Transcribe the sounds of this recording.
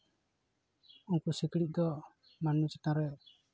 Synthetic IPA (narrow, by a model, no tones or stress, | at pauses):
unkusikɾit̚ˀd̪ɔ | manut͡ʃɛt̪aɾɛ